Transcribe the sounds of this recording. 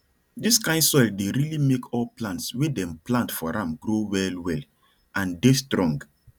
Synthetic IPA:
diskãɪndsɔɪldeɹilimekʰɔlplãntswedɛ̃mplãntfɔɹãmɡɾowɛlwɛl | ãndestɾɔ̃ŋɡ

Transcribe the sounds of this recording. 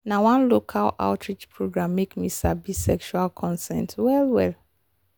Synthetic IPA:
nawãnlokʰala̰ʊtʰɹid͡ʒpʰɹoɡɹãmːekmisabisɛkʃualkʰɔ̃nsɛ̰̃ntwɛlwɛl

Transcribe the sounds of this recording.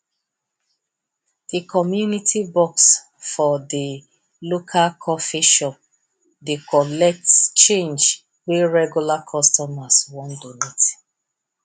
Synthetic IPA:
d̥ikʰɔmjunitʰibɔks | fɔdi | lokʰalkʰɔfiʃɔp̚ | dekʰɔlɛk̚tt͡ʃẽnd͡ʒ | weɹɛɡjulakʰɔstɔmaswɔ̃ndonet

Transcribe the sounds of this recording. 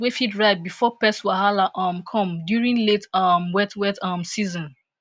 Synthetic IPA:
wefidɹaɪd̚bifɔpɛswaɦalaʔɔmkʰɔ̃mdjuɹĩnletɔmwɛtwɛtɔmsizɔ̃n

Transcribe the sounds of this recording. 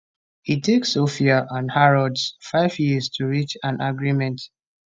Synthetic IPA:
hitʰeksːofiaʔãnhaɹɔdsfaɪvjistʰuɹit͡ʃãnʔaɡɹimɛ̃nt

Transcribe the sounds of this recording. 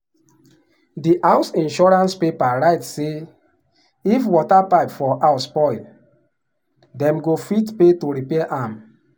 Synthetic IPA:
diʔaʊsĩnʃɔɹãnspepaɹaɪtse | ifwɔtapaɪpfɔʔaʊspɔɪ | dɛ̃mɡofitpetoɾipɛaʔam

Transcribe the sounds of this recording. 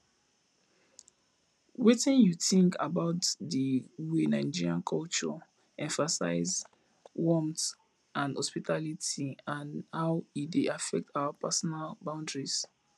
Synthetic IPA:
wetĩnjuθĩŋkʰa̰baʊtðəwenãɪd͡ʒiɹiãnkʰɔlt͡ʃɔ̰ | ɛ̃ɱfasa̰ɪz | wɔ̃mt | ʔãndɔspitʰalitiãnhaʊideafɛk̚tʰawapʰɛsɔnalbãʊ̃ndɹis

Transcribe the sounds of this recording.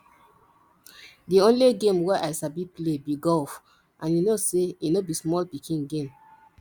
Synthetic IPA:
diõnliɡẽmwɛʔasabiplebiɡɔf | ʔãnjunoseinobismɔlpikʰĩnɡẽm

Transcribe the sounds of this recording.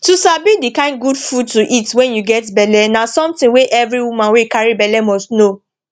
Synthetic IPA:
tusabidikãɪ̃nɡudfud̚tuʔitwɛ̃njuɡɛtbɛlɛnasɔ̃mtĩnweʔɛvɹiwumãnwekaɹibɛlɛmɔsno

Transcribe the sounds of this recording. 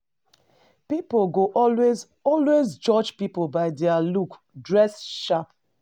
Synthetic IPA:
pipolɡoʔɔwez | ɔlwezd͡ʒɔd͡ʒpipobaɪdɛaluk | dɹɛsʃap

